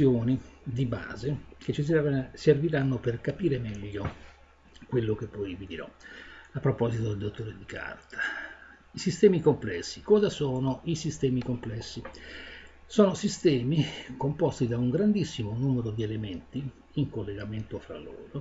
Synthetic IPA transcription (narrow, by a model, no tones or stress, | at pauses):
joːnid̪iba̰ːzeket͡ʃːisserviɾanːoperkapiːɾemɛʎːo | kwelːokepːɔjvid̪iɾɔ̰apːɾopɔzit̪od̪eld̪ot̪ːoːɾed̪ikʰa̰rt̪ʰḁ | isist̪ɛːmikomplɛsːikɔːzasɔːnoisist̪ɛːmikomplɛsːi | sɔːnosist̪ɛːmikompɔst̪id̪auŋɡɾand̪isːimonuːmeɾod̪ielement̪i | iŋkolːeɡament̪ofɾa̰lːo̰ːɾo